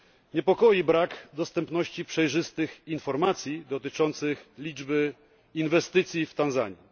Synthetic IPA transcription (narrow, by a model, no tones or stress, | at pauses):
ɲɛpɔkɔjibɾakd̪ɔst̪ɛmpnɔɕt͡ɕipʂɛjʐɘst̪ɘxinfɔɾmat̪sʲjid̪ɔt̪ɘt͡ʂɔnt̪sɘxlʲid͡ʐbɘ | invɛst̪ɘt̪sʲjift̪anza̰ɲi